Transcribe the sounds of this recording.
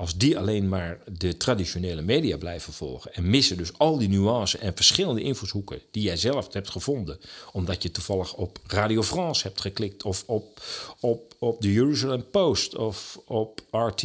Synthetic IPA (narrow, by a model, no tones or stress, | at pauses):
ɑlˠzdialejnmaːɹdətradisoneːləmeːdiablɛjvəv̥ɔ̰lˠχəɛnmɪsədøsɑlˠdinyɑ̃sənʔɛnvəɹsχɪlˠəndəʔɪnfushukə̰d̥ijɛjzɛlˠəfthɛp̚tχəvɔndəɔmdɑtjətuv̥ɑlˠəxɔpraːdiofrɑ̃ːshɛp̚tχəklɪk̚tʰɔfɔpɔpɔp̚dəjəryzalɛmpoːstɔfɔpaːɹt